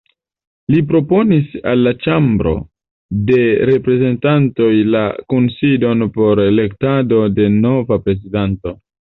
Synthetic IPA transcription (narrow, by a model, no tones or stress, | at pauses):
lip̬ɾo̞po̞nisalːat͡ʃambɾo̞̰ | de̞ɾe̞pɾe̞ze̞ntanto̞jlakonsido̞npo̞ɾele̞ktado̞de̞no̞vapɾe̞zidanto̞